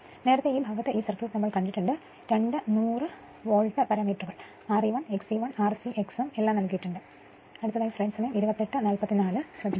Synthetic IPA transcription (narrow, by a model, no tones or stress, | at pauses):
ne̞ːɾɐt̪ːeiːbʱaːɡɐt̪ːe̞ʔiːsɐrkluːrnɐmːɐɭkɐɳɖiʈːuɳɖɨ | ɾe̞ɳɖɨnuːrɨ | ʋo̞ːɻʈɐpɐɾɐmiːʈruɣɐɭ | aːriʋɐɳeksiʋɐɳaːrsiʔeksumelːaːmnɐlkujiʈːuɳɖɨ | ɐɽut̪ːɐðaːjɐsrɐjmsɐmɐjɐmiɾubɐt̪ːeʈːɨnaːlpɐt̪ːinaːlɨsrɐbʱi